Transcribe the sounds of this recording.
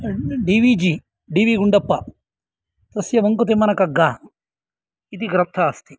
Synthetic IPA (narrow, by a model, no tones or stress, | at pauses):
ɖiːʋiːd͡ʒi | ɖiːʋiːɡuɳɖɐpːɐ | t̪ɐsjɐʋɐŋkot̪̬emːɐnɐkɐɡːaː | id̪iɡɾɐt̪ʰɐːst̪i̥